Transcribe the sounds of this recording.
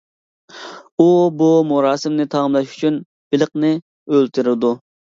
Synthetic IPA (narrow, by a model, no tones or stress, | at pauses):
ubumuɾɑːsɪmnɪt̪ʰɑmlˠɑʃy̥t͡ʃʰyn | b̥ɪləqnɪ | ølt̪ʰyɾɪd̪u